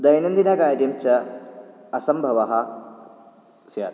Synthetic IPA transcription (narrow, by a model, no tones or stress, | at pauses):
d̪ɐjnɐnd̪inɐkaːɾjɐmt͡ʃɐ | ɐsɐmbʱɐʋɐɦɐ | sja̰ːt̪